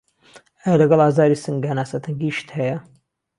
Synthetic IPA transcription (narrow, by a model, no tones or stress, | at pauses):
ɐjalɐɡɐlˠaːzaːɾisɨŋɡaːnaːsɐt̪ʰɐŋɡiʃt̪hɛjɐ